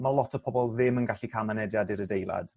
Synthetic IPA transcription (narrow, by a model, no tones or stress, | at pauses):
malˠɔtʰɔpʰɔbɔlˠðɪmənɡaɬikʰamanɛdjadɪɾədejlˠa̰d̥